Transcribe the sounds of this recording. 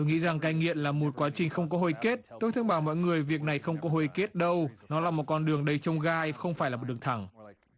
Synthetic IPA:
o˧jŋḭ˧˥za˨˩ŋkaː˧jŋḭ˧˨ənlaː˨˩mo˨˩t̚kwaː˨˦t͡ɕï˨˩ŋ̟xə˧wŋ͡mk̬ɔ˨˦ɦo˧˩jke˦˥t̚t̪o˧jt̪ʰə˧ŋ͡mɓaː˧˩wmɔ̰˧˨jŋɨ˨˩əjvi˨˩ək̚na˨˩jxə˧wŋ͡mkɔ˨˦ɦo˧˩jke˦˥t̚ɗə˧wnɔ˨˦laː˨˩mo˨˩t̚kɔ˧nɗɨ˨˩əŋɗə˧jt͡ɕə˧wŋ͡mɣaː˧jxə˧wŋ͡mfaː˧˩jlaː˨˩˨t̚ɗəŋ˩t̪ʰa˧˩ŋ

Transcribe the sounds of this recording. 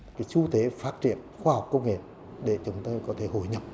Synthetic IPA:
kaː˨˦jt͡ɕu˧t̪e˨˦faː˦˥t̚t͡ɕḭ˧˨ənxwaː˧ha˨˩k͡p̚kə˧wŋ͡mŋḛ˧˨ | ɗe˧˩t͡ɕʊ˨˦wŋ͡mt̪əː˧jkɔ˨˦t̪ʰe˧˩ɦo̰˧˩˨jɲə˨˩p̚

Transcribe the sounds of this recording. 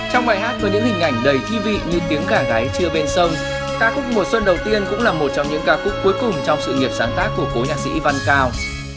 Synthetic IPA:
t͡ɕɔ˧wŋ͡mɓaː˨˩jɦaː˦˥t̚vəː˨˦jɲɨ̰˧˥ŋhï˨˩ŋ̟ʔa˧˩jŋ̟ɗə˨˧˩jt̪ʰwi˧vḭ˧˨ɲɨ˧t̪i˨˦əŋkaː˧˩ɣaː˨˦jt͡ɕɨ˧əɓe˧nsə˧wŋ͡m | kaː˦˥k̚xʊ˦˥k̚mo˨˩swə˧nɗə˨˩wt̪i˧ənkʊ̰˧˥ŋ͡mlaː˨˩mo˨˩t̚t͡ɕɔ˧wŋ͡mɲɨ̰˧˥ŋɣaː˨˦kʊ̰˦˧˥k͡p̚kːu˨˦jkʊ˨˩ŋ͡mt͡ɕɔ˧wŋ͡msɨ̰˧˨ŋi˨˩əp̚saː˨˦nt̪aː˦˥k̚ːu˧˩əko˨˦ɲaː˨˩t̚sḭ˧˥va˧nkaː˧w

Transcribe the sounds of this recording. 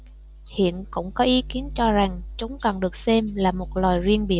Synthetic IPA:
hḭ˧˨ənkʊ̰˧˥ŋ͡mkɔ˨˦ʔi˨˦ki˨˦ənt͡ɕɔ˧za˨˩ŋt͡ɕʊ˨˦ŋ͡mkɔ˨˩nɗɨ˨˩ək̚sɛ˧mlaː˨˩mo˨˩t̚lɔː˨˩jzwi˧ənɓi˧˩˨ə

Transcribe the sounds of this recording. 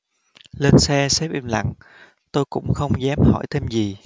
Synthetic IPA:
le˧nsɛ˧sɛ˦˥pʔi˧mla̰˧˨ŋ | t̪o˧jkʊ̰˧˥ŋ͡mxə˧wŋ͡mzɛ˨˦mhɔ̰˧˩jt̪ʰe˧mzi˨˩

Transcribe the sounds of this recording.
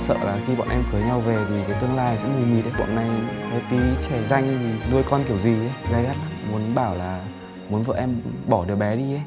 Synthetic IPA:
sə̰ː˧˨laː˨˩xi˧ɓɔ̰ː˧˨nʔɛ˧mkɨ˨˦əjɲa˧wve˨˩t̪ʰi˨˩kəː˨˦jt̪ɨ˧əŋlaː˧jzɛ̰˧˥mi˨˩mi˨˩t̚ə˨˦jɓɔ̰˧˨nːa˨˩jə˨˦t̪i˨˦t͡ɕɛ˧˩za˧jŋ̟t̪ʰi˨˩nu˧əjkɔ˧nki˧˩əwzi˨˩u˧ɣaː˧ɣaː˦˥t̚a˨˦mu˨˦ənɓaː˧˩wlaː˨˩ | mu˨˦ənvə̰ː˧˨ʔɛ˧mɓɔ˧˩ɗɨ˨˩ək̚ɓɛ˨˦ɗi˧ə˧˦j

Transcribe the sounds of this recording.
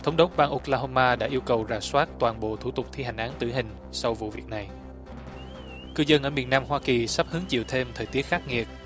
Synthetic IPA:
t̪ʰə˨˦wŋ͡mɗo˨˦˥k̚ɓaː˧ŋʔʊ˨˥k̚laː˧ɦo˧mːaː˧ɗa̰ː˧˥ʔi˧əwkə˨˩wzaː˨˩swaː˦˥t̚t̪waː˨˩nɓo̰˧˨t̪ʰu˧˩t̪ʊ˨˩k͡p̚t̪ʰi˧ɦa˨˩ŋ̟ʔaː˨˦nt̪ɨ˧˩ɦï˨˩ŋ̟ | sa˧wvṵ˧˨vi˨˩ək̚na˨˩j | kɨ˧zə˧nʔəː˧˩mi˨˩ənaː˧mɦwaː˧ki˨˩sa˦˥p̚hɨ˨˦əŋt͡ɕḭ˧˨əwt̪ʰe˧mt̪ʰəː˨˩t̪i˦˥ət̚xaː˦˥k̚ŋi˨˩ət̚

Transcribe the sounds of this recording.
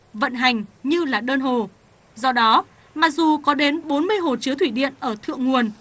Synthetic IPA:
və̰˧˨nɦa˨˩jŋ̟ɲɨ˧laː˨˩ɗəː˧nɦo˨˩ | zɔ˧ɗɔ˨˦ | ma˨˩k̚zu˨˩kɔ˨˦ɗe˨˦nɓo˨˦nmɨ˧əjɦo˨˩t͡ɕɨ˨˦ət̪ʰwi˧˩ɗḭ˧˨ənʔəː˧˩t̪ʰɨ̰˧˨əŋu˨˩ən

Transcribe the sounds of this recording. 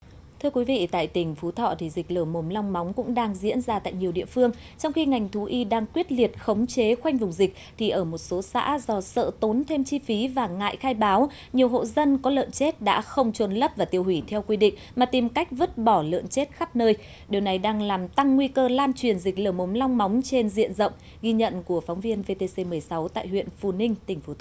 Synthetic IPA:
t̪ʰɨ˧əkwi˨˦vḭ˧˨t̪a̰ː˧˨jt̪ï˧˩ŋ̟fu˨˦t̪ʰɔ̰˧˨t̪ʰi˨˩zï˨˩k̚ləː˧˩mo˨˦mla˧wŋ͡mma˨˦wŋ͡mkʊ̰˧˥ŋ͡mɗaː˧ŋzḭ˧˥ənzaː˧t̪a̰ː˧˨jɲi˨˩əwɗḭ˧˨əfɨ˧əŋ | t͡ɕɔ˧wŋ͡mxi˧ŋa˨˩jŋ̟t̪ʰu˨˦ʔi˧ɗaː˧ŋkwi˦˥ət̚li˨˩ət̚xə˨˦wŋ͡mt͡ɕe˨˦xwa˧jŋ̟vʊ˨˩ŋ͡mzi˨˩k̚t̪ʰi˨˩ʔəː˧˩mo˨˩t̚so˨˦sa̰ː˧˥zɔ˨˧˩sə̰ː˧˨t̪o˨˦nt̪ʰe˧mt͡ɕi˧fi˨˦vaː˨˩ŋa̰ː˧˨jxaː˧jɓaː˨˦w | ɲi˨˩əwɦo̰˧˨zə˧nkɔ˨˦lə̰˧˨nt͡ɕe˦˥t̚ɗa̰ː˧˥xə˧wŋ͡mt͡ɕə˨˩nlə˦˥p̚vaː˨˩t̪i˧˩əwhwi˧˩t̪ʰɛ˧wkwi˧ɗḭ̈˧˨ŋ̟maː˨˩t̪i˨˩mka˦˥k̟̚və˦˥t̚ɓɔ˧˩lɨ̰˧˨ənt͡ɕe˦˥t̚xa˦˥p̚nəː˧j | ɗi˨˩əwna˨˩jɗaː˧ŋlaː˨˩mt̪a˧ŋːwi˧kəː˧laː˧nt͡ɕwi˨˩ənzi˨˩k̟̚ləː˧˩mʔo˨˦mla˧wŋ͡mma˨˦wŋ͡mt͡ɕe˧nzḭ˧˨ənzə̰˧˨wŋ͡m | ɣi˧ɲə̰˧˨nku˧˩əfɔ˨˦wŋ͡mvi˧ənve˧t̪e˧se˧mɨ˨˩əjsa˨˦wt̪a̰ː˧˨jhwḭ˧˨ənfṵ˧˩nï˧ŋ̟t̪ï˨˩ŋ̟fu˨˧˩t̪

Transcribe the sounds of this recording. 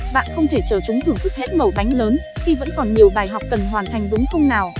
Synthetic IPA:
ɓa̰ː˧˨nxə˧wŋ͡mt̪ʰe˧˩t͡ɕəː˧˩t͡ɕʊ˨˦ŋ͡mt̪ʰɨ˨˧˩əŋt̪ɨ˨˩k̚he˦˥t̚mə˨˩wɗa˨˦jŋ̟ləː˨˦n | xi˧və̰˧˥nkɔ˨˩nɲi˨˩əwɓaː˨˩jɦwk͡p̚kə˨˩nɦwaː˨˩nt̪ʰa˨˩jŋ̟zʊ˨˦ŋ͡mxə˧wŋ͡mnaː˨˩w

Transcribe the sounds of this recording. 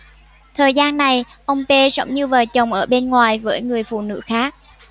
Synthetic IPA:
t̪ʰəː˨˩jzaː˧nːa˨˩j | ʔə˧wŋ͡mpe˧zə̰˨˦wŋ͡mɲɨ˧vaː˨˩t͡ɕə˨˩wŋ͡mʔəː˧˩ɓe˧nŋwaː˨˩jvəː˨˦jŋɨ˨˩əjfṵ˧˨nɨ̰˧˥xaː˦˥k̚

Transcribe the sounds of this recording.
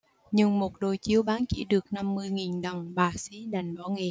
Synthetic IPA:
ɲɨ˧ŋmo˨˩t̚ɗo˨˩jt͡ɕi˧əwɓaː˨˦nt͡ɕḭ˧˥ɗɨ˨˩ək̚na˧mːɨ˧əjŋi˨˩nɗə˨˩wŋ͡mɓaː˨˩sḭ˧˥ɗa˨˩jŋ̟ɓɔ˧˦ŋe˨˩

